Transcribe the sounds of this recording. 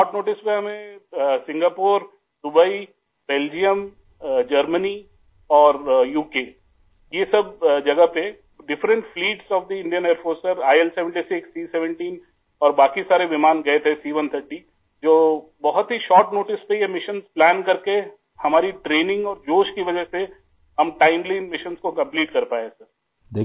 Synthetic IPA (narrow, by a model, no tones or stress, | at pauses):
ʃɔːɾʈnoːʈɪspeɦɐmẽsɪ̃ŋɡaːpoːɾ | d̪ʊbəi | b̥eːld͡ʒijəm | d͡ʒɐɾməni | ɔːɾjuːkeː | jesɐbd͡ʒɐɡəɦpe | ɖɪfɾə̃ɳʈfliːʈsɔːfd̪iɪ̃ɳɖijəneːəɾfoːɾsəɾaːɛlsɛʋə̃ɳʈisɪksiːsɛʋə̃ɳʈiːn | ɔːɾbaːkisaːɾeʋɪmaːnɡɐet̪ʰɛsiːʋə̃nt̪ʰəɾʈi | d͡ʒoːbɐɦʊt̪ɦiʃɔːɾʈnoːʈɪspejemɪʃənzplæːnkɐɾke | hɐmaːɾiʈɾeːnɪ̃ŋɡɔːɾd͡ʒoːʃkiʋɐd͡ʒəɦse | ɦɐmʈaːɪmleːnmɪʃənskokɐ̃mpliːʈkɐɾpaːesɐɾ | d̪e